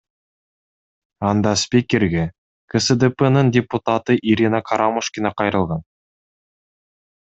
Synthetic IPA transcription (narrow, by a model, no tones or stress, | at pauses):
ɑnd̪ɑspʲikʲe̞ɾɡʲe | kʰəsəd̪epenəɴdʲe̞put̪at̪əʔiɾʲinakʰaɾamoʃkʲinɑqʰɑjɾəlˠʁɑn